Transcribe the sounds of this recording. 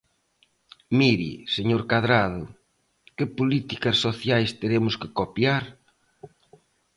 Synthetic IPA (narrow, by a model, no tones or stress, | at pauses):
miɾḭseɲoɾkaðɾað̞ʊ | kɪpolit̪ikɐsːoθjajst̪eɾemʊskɪkopjaɾ